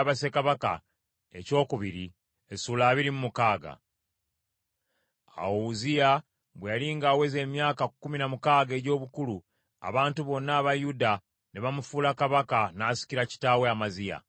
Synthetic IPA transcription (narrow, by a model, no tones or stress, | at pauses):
βase̞kaβaka̰ | e̞̰co̞ːkuβiɾi | esulaːβiɾimumukaːɡa̰ | a̰wozija | βwejaliŋɡaːwe̞ze̞ːmjaːkakːuminamukaːɡe̞ɟo̞ːβukulu | a̰βaːntuβo̞nːaːβajuda | neβamufuːlakaβakanaːsi̥ciɾaci̥taːweamazija̰